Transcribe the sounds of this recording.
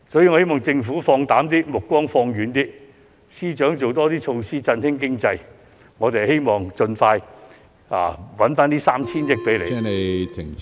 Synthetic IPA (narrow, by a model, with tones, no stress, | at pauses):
sɔː˨˥jiː˨ŋɔ˧he˥jmɔː˨˩ŋt͡sɪ˧ŋfuː˨˥fɔː˧ŋt̪aː˨˥mt̪iː˥mʊ˨˩kːʷwɔː˥ŋfɔː˧ŋɥyː˨˧nt̪iː˥ | siː˥t͡ʃœː˨˥ŋt͡so˨wt̪ɔː˥t̪iː˥t͡ʃʰo˧wsiː˥t͡sɐ˧nhɪ˥ŋk̬ɪ˥ŋt͡sɐ˧j | ŋɔː˨˧t̪e˨˩ɦe˥jmɔː˨˩ŋt͡ʃɵ˧nfaː˧j | a̰ː˨˩wɐ˨˥nfaː˥nt̪iː˥saː˥mt͡sʰiː˥njɪ˥k̚pe˨˥jlḛ˨˧˥ne˨˧t̪ʰɪ˨˩ŋ